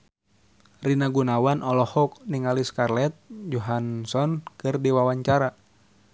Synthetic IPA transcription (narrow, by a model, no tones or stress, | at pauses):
rinaɡunawanʔɔlɔhɔk̚niŋaliskarlɛt̪̚d͡ʒɔɦansɔnkɨrdiwawaɲt͡ʃaɾa